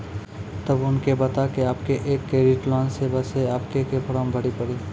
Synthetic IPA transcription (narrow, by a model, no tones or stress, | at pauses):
t̪ɐbʊnkebɐt̪akeaːpkeʔeːkːeːɾɪʈlɔːnsebɐseaːpkekepʰʊɽãːmbʱɐɽipɐɽiː